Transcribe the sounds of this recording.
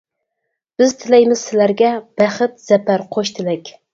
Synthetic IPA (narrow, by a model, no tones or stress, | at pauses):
b̥ɪzt̪ʰɪlɛjmɪz̥sɪlæɾɡʲɛb̥æχɨt̪z̥ɛpæɾqʰoʃt̪ʰɪlɛkʲ